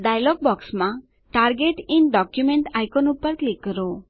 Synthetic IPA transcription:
ɖajloɡ̚bɔksma | ʈarɡeʈinɖɔkjumeɳʈajkonupʌrklik̚ɡʌɾo

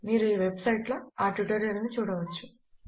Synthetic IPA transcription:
miːɾuiːʋebsɐjʈlɐːaːʈʋiʈɐɾeɾɐnut͡ʃuːɽɐʋɐt͡ʃːu̥

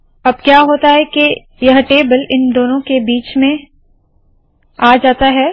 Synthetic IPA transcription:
ɐb̚kjaːɦoːt̪aɦɛke | jɐɦʈeːbəlɪnd̪oːnõkebiːt͡ʃmẽ | aːd͡ʒaːt̪aɦɛː

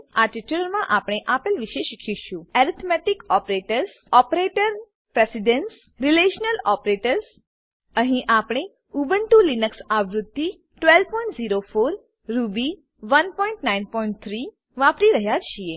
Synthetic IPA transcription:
aʈiʈuləɾmãʔapɽ̃eʔapəlʋiʃeʃikʰiʃũɛɾit̪ʰmɛʈikɔpɾeʈəɾs | ɔpɾeʈəɾ | pɾesiɖens | ɾileʃnəlɔpɾeʈəɾs | əɦĩʔapɽ̃e | ubəɳʈulinəksaʋɾʊd̪ːi | ʈʋɛlpɔĩɳʈziɾofoɾ | ɾubi | ʋənpɔiɳʈnainpɔiɳʈ̚t̪ʰɾi | ʋapɾiɾəɦjat͡ʃʰie

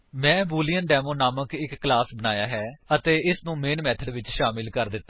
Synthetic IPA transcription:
mɛ̃ːbuːlijənɖɛːmoːnaːməkɪkːlaːsbənaːjaːɦɛːət̪eːɪsnũːmeːnmɛːt̪ʰəɖʋɪt͡ʃʃaːmɪlkəɾd̪ɪt̪ːa

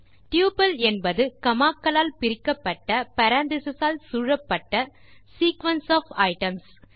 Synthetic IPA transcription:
ʈjuːpɐlɛnbɐðɯkɐmaːkːɐlaːlpɪɾɪkːɐpːɐʈːɐpɐɾaːnd̪ɪsɐsaːlsuːɻɐpːɐʈːɐ | siːkʋɐnsaːfɐɪʈɐms

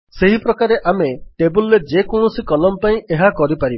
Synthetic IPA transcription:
seɦipɾɔkaɾeʔameʈebulːed͡ʒekɔɳ̃ɔsikɔlɔmpaĩʔeɦakɔɾipaɾib

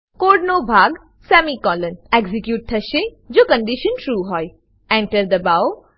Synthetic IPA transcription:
koːɖnobʱaːɡ | sɛːmikɔːlənɛɡzikjuːʈ̚t̪ʰɐʃe | d͡ʒoːkə̃ɳɖiʃənʈɾuːɦɔːj | ɛ̃ɳʈəɾd̪əbaw

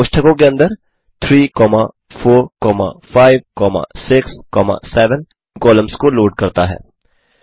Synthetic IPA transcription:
pʊʃʈʰəkõk̬eɐ̃nd̪əɾ | t̪ʰɾiːkɔːma | fʰoːɾkɔːma̰faːɪʋkɔːma̰sɪkskɔːma̰sɛːʋən | kɔːləmskoloːɖ̚kɐɾt̪aɦɛ̰ː

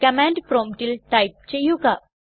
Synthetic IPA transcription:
kɐmaːɳɖpɾoːmʈilʈɐjp̚t͡ɕejːuɡa

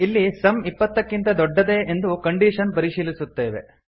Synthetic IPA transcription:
ilːisɐmipːɐt̪ːɐkːint̪ɐd̪ɔɖːɐd̪e̞end̪ukɐɳɖiːʂɐnpɐɾiʂiːlisut̪ːeːʋe̞̰

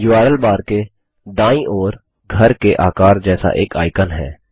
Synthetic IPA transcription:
jʊaːɾəlbaːɾke | d̪ãːĩʔɔːɾ | ɡʱəɾkeʔaːkaːɾd͡ʒɛːsa̰ʔeːka̰ːɪkənɦɛ̰ː

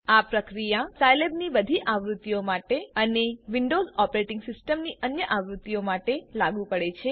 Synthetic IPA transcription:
apɾəkɾijasajlebnibəd̪ʱiʔaʋɾut̪ːijomaʈeəneʋiɳɖozɔpəɾeʈɪ̃ŋɡsɪsʈəmniʔənjəʔaʋɾut̪ːijomaʈelaɡũpəɽet͡ʃʰe

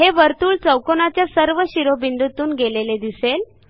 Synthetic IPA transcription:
ɦeʋəɾt̪uːɭt͡səwkonat͡ɕjasəɾʋəɕiɾobind̪ut̪uːnɡeleled̪isel

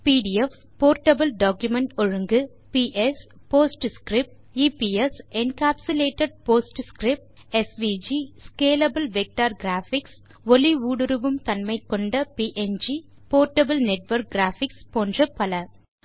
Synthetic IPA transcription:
piːɖɪɛf | poːɾʈɐbɐlɖaːkjʊmɛɳʈɔɻɯŋɡɯ | piʔɛs | poːsʈskɾɪp̚ʈ | iːpiɛsɛnkaːpsʊleːʈːɐɖ̚poːsʈskɾɪp̚ʈ | ɛsʋiːd͡ʒiskeːlɐbɐlʋɛk̚ʈaːɾɡɾaːfɪks | ʋɔliʋuːɽɯɾɯʋɯmt̪ɐnmɐɪkːɔɳɖɐpiːʔɛnd͡ʒi | poːɾʈɐbɐlnɛʈʋɐɾk̚ɡɾaːfɪkspoːndrɐpɐlɐ

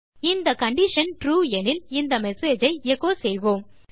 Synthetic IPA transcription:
ɪnd̪ɐkɐɳɖɪʂɐnʈɾuːɛnɪlɪnd̪ɐmɛseːd͡ʒɐɪɛkːoːsɛjʋoːm

